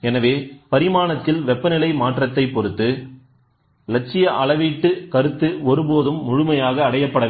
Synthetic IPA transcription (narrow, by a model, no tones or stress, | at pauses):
ɛnɐʋeːpɐɾɪmaːnɐt̪ːɪlʋɛpːɐnɪlɐɪmaːʈrɐt̪ːɐɪpːɔɾɯt̪ːɯ | lɐʈ̚t͡ʃːɪjɐʔɐɭɐʋiːʈːɯkɐɾɯt̪ːɯɔɾɯpoːðɯmːʊɻʊmɐjaːɣɐːɽɐjɐpːɐɽɐʋ